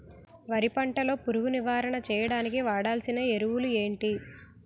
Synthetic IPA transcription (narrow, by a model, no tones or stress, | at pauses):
ʋɐɾipɐɳʈɐlo̞ːpuɾuɡuniʋaːɾɐɳɐt͡ʃɛːjɐɽaːnikiʋaːɽaːlsinɐeɾuwulueːɳʈi